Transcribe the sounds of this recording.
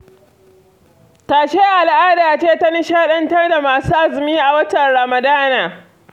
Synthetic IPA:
taː˨ʃe˦ʔa˨lʔaː˦daː˨t͡ʃeː˦ta˦ni˦ʃaː˦ɗɐ˦ntɐ˦rda˨maː˨suː˦ʔa˦zɪ˨miː˦ʔa˨wɐ˦tɐ˨nɽa˨mɐ˨daː˦naː˨

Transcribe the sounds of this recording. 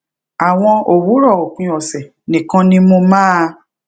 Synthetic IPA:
a˨w̃ɔ̃˧o˨wu˨˦ɾɔ˦˨o˨kũ˨˦ɔ˨sɛ˨ | nĩ˨kã˧nĩ˦mo˧mãː˦

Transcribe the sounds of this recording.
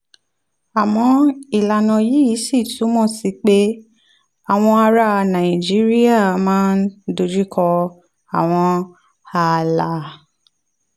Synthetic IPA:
a˨mɔ̃˧i˨la˨nɔ̃˧ji˨˦i˨˦si˦˨tu˨˦mɔ̃˦˨si˨˧˦k͡pe˦ | a˨w̃ɔ̃˧a˧ɾa˧nã˨i˨d͡ʒi˨˦ɾi˦a˦˨mãː˦ndo˧d͡ʒi˦kʰɔ˧ | a˨w̃ɔ̃˧ | a˨la˨˦

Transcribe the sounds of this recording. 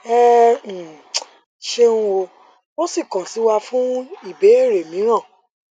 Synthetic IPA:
ɛ˦˨ | ʃe˦nũ˦o˧ | o˦si˦˨kɔ̃˨si˨˦wa˧fũ˦i˦˨be˨˦e˦˨ɾe˨mĩ˨˦ɾ̃ã˦˨

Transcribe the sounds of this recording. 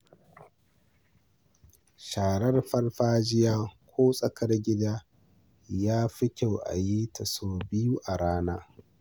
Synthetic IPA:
ʃaː˨ɽɐ˦rɸɐ˦rɸaː˦d͡ʒɪ˦jaː˦kʷoː˦sʼɐ˦kʰɐ˦rɡʲɪ˦daː˦ | jaː˦ɸɪ˦kʲa˨wʔa̰˨ji˦tʰɐ˨soː˦bɪ˦ju˦ʔa˨ɽaː˦naː˦

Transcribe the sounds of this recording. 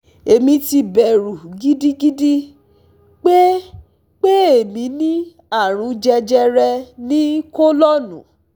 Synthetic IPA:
e˨mĩ˧ti˧bɛ˨ɾu˨ɡi˦di˦ɡi˦di˦ | k͡pe˦ | k͡pe˦e˦˨mĩ˨˧˦nĩ˦ | a˦˨ɾ̃ũ˨˧˦d͡ʒɛ˧d͡ʒɛ˧ɾɛ˧nĩ˦ko˦lɔ˦nũ˨

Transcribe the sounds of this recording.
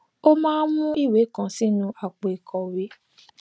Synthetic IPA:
o˦mãː˦mũ˦i˦˨we˨˦kã˨sĩ˦nũ˧ʔa˨k͡pe˨kʰɔ˨we˧˦

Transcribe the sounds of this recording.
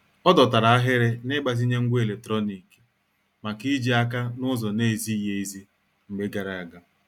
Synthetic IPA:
ɔ˦dɔ˨ta˨ɾa˨a˦ɦɪ˦ɾɪ˦nɪ˦ɡ͡ba˨zi˦ɲe˦ŋ̩˦ɡʷe˨le˨tɾɔ˦ni˨k | ma˨ki˦d͡ʒi˦a˦k̬a˦nʊ˦zɔ˨ne˦˨zi˦˨je˦i˦zi˦ | ŋ͡m̩˨ɡ͡be˦ɡa˨ɾa˨a˨ɡa˨

